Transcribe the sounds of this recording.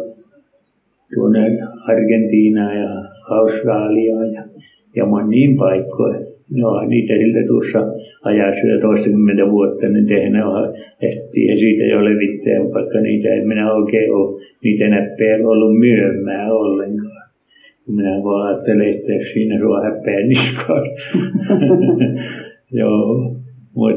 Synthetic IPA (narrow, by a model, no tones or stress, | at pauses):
t̪uonenɑrɡ̥ent̪iːnɑːjɑɑust̪rɑːliɑːjɑ | jɑ̰monʲːiːmpɑikːo̰inohɑ̰nniːt̪æsilt̪æt̪uosːɑɑjɑsːujɑ̰t̪oist̪ɑkymːent̪æʋuot̪ːɑnint̪ehnæhɑeht̪ːḭːḛsiːt̪æ̰jo̰leʋit̪ːḛæ̰ʋɑikːɑnḭːt̪æ̰ḛiminæoikeːoniːt̪ænæpːeːlolːummyømːˑæːolːeŋkɑː | umminæʋɑɑːt̪ːeleet̪ːækssiːnæsuɑ̰hæpːˑeænːiskʰɑːs | joː | mṵt̪